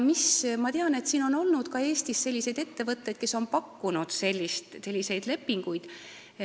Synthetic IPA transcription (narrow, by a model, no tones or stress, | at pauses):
mismɑt̪eɑne̞t̪siːno̞no̞lnud̪̥kɑe̞ːst̪isse̞lʲːise̞jd̪e̞t̪ːe̞vɤt̪ːe̞d̪̥̚ke̞so̞npɑkːunud̪̥se̞lʲːist̪se̞lʲːise̞jd̪̥le̞pːiŋɡ̥ujd̪̥